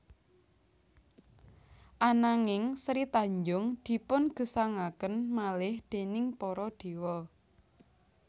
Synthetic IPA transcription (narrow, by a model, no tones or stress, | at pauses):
ʔanaŋɪŋsɾit̪aɲd͡ʒʊŋd̪̥i̤pʊnɡ̥ə̤saŋakənmalɪhd̪̥e̤nɪŋpɔɾɔɖ̪̥e̤wɔ